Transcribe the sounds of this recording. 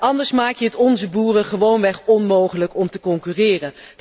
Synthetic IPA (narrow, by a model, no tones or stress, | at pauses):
ʔɑndəɹsmaːkjəɦətɔnzəbuːrəχəʋownʋɛχɔnmowχələkɔmtəkɔŋkyːrɪːrən